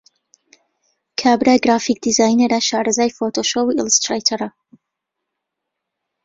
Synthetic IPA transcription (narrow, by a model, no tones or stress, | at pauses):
kʰaːbɾaːjɡɾaːfik̚d̪izaːjneɾaʃaːɾɐzaːjfot̪ʰoːʃowiːilˠɨst̪ɾajt̪ʰɐɾɐ